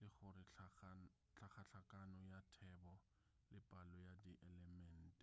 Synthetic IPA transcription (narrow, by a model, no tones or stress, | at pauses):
lɪχʊɾɪ | t͡ɬʰaχʰaɬʰakʼanɔjatʰɛbɔ | lɪpʼalɔjadiʔɛlɛmɛn̩ːtʼɛ̥